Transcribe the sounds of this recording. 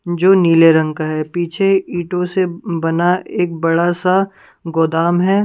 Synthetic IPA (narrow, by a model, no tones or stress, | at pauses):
d͡ʒoːniːleɾɐ̃ŋkaɦɛːpiːt͡ʃʰeiːʈõsebɐnaeːk̚bɐɽasa | ɡoːd̪aːmɦɛː